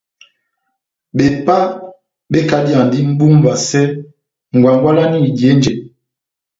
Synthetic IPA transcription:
be˨pa˦ | be˦ka˨dja˨ŋdi˦m̩˦bu˦ŋ˦ba˨sɛ˦ | ŋ̩˨ɡwa˨ŋɡwa˦la˦ni˦˨dje˨˦n˦d͡ʒe˨

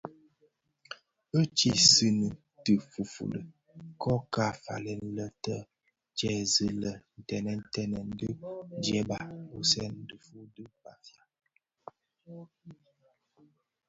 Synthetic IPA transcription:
ə˦t͡ʃi˨sɨ˦nə˨ | tə˨fu˨fṵ˨lə̰˨ | kɔ˦ka˦˨fa̰˨lɛ˨n̩˦lə˦tə˦ | d͡ʒɛ˨zə˦lə˨n̩˨tɛ˨nɛ˦˨n̩˦tɛ˦nɛ˨n̩˦də˦d͡ʒɛ˦ba˨bu˨sɛ˦n̩˦də˨fu˦də˦pa˨fja˦

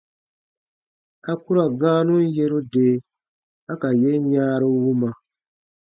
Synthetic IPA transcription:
a˦ku˦ɾa˨ɡãː˦nũ˦n˦je˦ɾu˦deː˨˦˨ | a˦ka˨je˦jaː˦ɾo˦wu˦ma˨

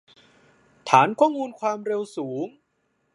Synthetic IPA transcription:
t̪ʰaː˩˦nkʰɔː˥˩ŋmuː˧nkʰwaː˧mɾe˧wsuː˩˦ŋ

